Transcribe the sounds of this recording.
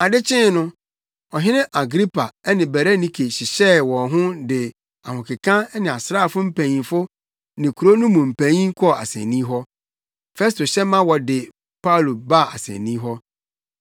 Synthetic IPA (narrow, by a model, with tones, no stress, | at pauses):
a˨dɪ˦t͡ɕʰɪ̃˦nʊ̃˦ | ɔ˨ɦɪ̃˦nɪ̃˦ʔa˨ɡɾi˦pʰa˨ɛ˦nɪ̃˨bæ˨ɾa˦nĩ˦kʰe˨ɕɪ˨ɕɛ˦wɔ̃˨ɦʊ̃˦dɪ˨ | a˨hʊ̃˨kʰɪ˨kʰã˦nɪ̃˨a˨sɾa˦˨fʊ˦m̩˦pʰæ̃˨ɲĩ˨fʊ˦ | nɪ̃˨kʰu˨ɾo˦nʊ̃˦mũ˨m̩˨pʰæ̃˨˦ĩ˦kʰɔ˦˨a̰˨sɛ̰̃˨nĩ˦ɦɔ˦ | fɛ˦sto˨ɕɛ˦mã˦wɔ˨dɪ˨ | pʰa˦˨lo˨ba˦˨a̰˨sɛ̰̃˨nĩ˦ɦɔ˦